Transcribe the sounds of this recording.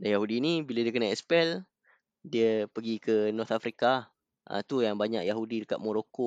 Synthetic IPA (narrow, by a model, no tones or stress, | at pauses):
danjaɦudiːnibiladiəkənaɛspɛl | diəpəɡikənɔrt̪afɾika | ʔə̰̃t̪ujaŋbaɲa̰ʔjaɦudidəka̰t̪̚moɾoko